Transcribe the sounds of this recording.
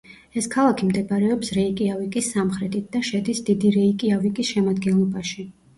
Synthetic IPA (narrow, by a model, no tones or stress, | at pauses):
ɛskʰalˠakʰimd̪ɛbaɾɛɔpsɾɛikʼiavikʼisːamχɾɛt̪ʰit̪̚ʰd̪̥aʃɛd̪isd̪id̪iɾɛikʼiavikʼisʃɛmad̪ɡɛnlˠɔbaʃi